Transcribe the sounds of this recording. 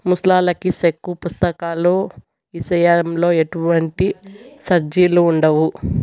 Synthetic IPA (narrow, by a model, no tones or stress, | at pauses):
muslaːlɐkisekːupust̪ɐkaːloː | isɐjamlo̞ːeʈuʋɐɳʈisɐɾd͡ʒiːluːɳɖɐʋu